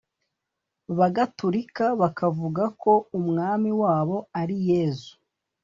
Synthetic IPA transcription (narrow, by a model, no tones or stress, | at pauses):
βaɡatuɾikaβakavuɡako̞umŋaːmiwaːβo̞aɾijeːzu̥